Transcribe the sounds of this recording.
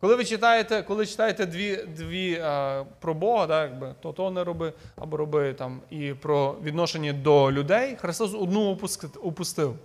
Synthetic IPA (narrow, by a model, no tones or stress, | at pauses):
kɔlˠɪʋɪt͡ʃɪt̪ɑjet̪ɛkɔlˠɪt͡ʃɪ̥t̪ɑjet̪ɛd̪ʋʲid̪ʋʲi | pɾɔbɔɦɐd̪ajaɡ̚bɪt̪ɔt̪ɔɦɔnɛɾɔbɪɐ̰bɔɾɔbɪt̪ɑmipɾɔʋʲid̪nɔʃenʲːɐd̪ɔlʲʊd̪ɛjxɾɪst̪ɔsɔd̪nuɔpʊskɔpʊst̪ɪw